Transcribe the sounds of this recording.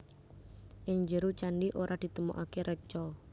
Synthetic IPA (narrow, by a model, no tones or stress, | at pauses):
ʔɪŋd͡ʒəɾut͡ʃaɳɖiʔoɾʔad̪̥i̤t̪əmṵʔakeɾʔət͡ʃɔ